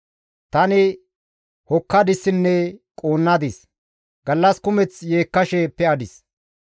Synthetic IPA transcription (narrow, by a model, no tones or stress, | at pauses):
t̪ɐnɪ | hɔkːɐd̪ɪsːɪnːɛkʼoːnːɐd̪ɪs | ɡ̥ɐlːɐskʊmɛt͡sje̞ːkːɐʃɛpːɛɐd̪ɪs